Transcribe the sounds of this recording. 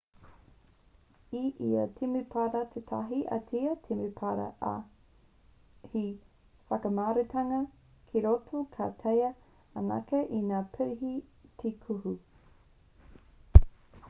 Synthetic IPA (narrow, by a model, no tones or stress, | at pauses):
iʔḭɐ̰tʰimipʰaɾɐt̪ʰetʰɐ̰ɦiʔɐ̰tʰiɐtʰimipʰaɾɐ̰ʔa̰ | hi | fɐkɐmaːɾetʰɐŋɐ | kʰiɾotʰokʰa̰tʰejɐ | ɐnɐ̰keʔinaːpʰɛɾiɦitʰikʰuhu